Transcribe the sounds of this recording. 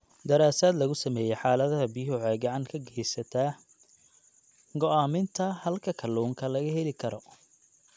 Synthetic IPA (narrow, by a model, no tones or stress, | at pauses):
d̪ɐɾaːsaːd̪lɐɣʊsɐmɛːjɛjħaːlɐðɐɦɐbiɦʊʕɛɡɐʕɑŋkʰɐɡɛjsɐt̪ʰɐ | ɡɔaːmɪnt̪ʰɐhɐlkʰɐkʰɐluːŋkʰɐlɐɣɐɦɛlɪkʰɐɾɔ